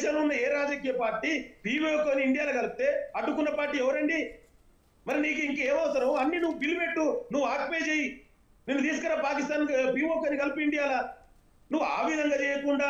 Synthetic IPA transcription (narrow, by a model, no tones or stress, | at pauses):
ʃɐnunːɐeːɾaːd͡ʒɐk̬iːjɐpaːɾʈiːpiːʋoːkoːniiɳɖijaːlɐɡɐlɐput̪e̞ːɐɖːukunːɐpaːɾʈːiːɛʋɐɾɐɳɖi | mɐɾiniːk̬uiŋkeːmɐʋɐsɐɾɐmɐnːinuʋːupilmeʈːunuʋːuaːʈ̚peːt͡ʃeːji | nenːut̪iːsu̥kɐɾaːpaːkist̪aːnkpiːmoːk̬oːnikɐlipuiɳɖijaːla | nuʋːua̰ːʋid̪ʱɐŋɡaːt͡ʃɛːjɐkuɳɖaː